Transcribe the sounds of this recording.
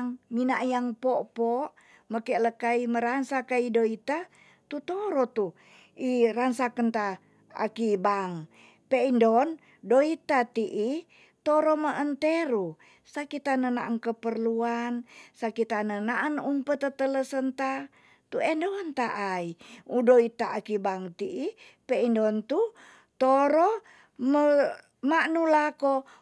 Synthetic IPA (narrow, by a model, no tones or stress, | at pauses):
ŋminaʔjaŋpɔʔpɔʔ | məkɛləkaiməɾansakaidoit̪a | t̪ut̪oɾɔt̪u | iɾansakənt̪a | a̰kibaŋ | peindɔn | doit̪at̪iʔi | t̪oɾɔməʔənt̪eɾu | sakit̪anənaʔaŋkəpərluansakit̪anənaʔanumpət̪ət̪ələsənt̪a | t̪uɛndont̪aʔaiudoit̪aakibaŋt̪iʔi | peindɔnt̪u | t̪oɾɔ | mə | maʔnulako